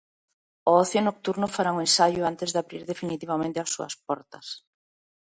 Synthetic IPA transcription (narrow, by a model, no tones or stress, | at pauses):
oɔθjonok̚t̪uɾnʊfaɾaŋʊensaʎʊant̪ezðaβɾiɾðefinit̪iβamẽnt̪easːṵɐ̰spɔɾt̪ɐs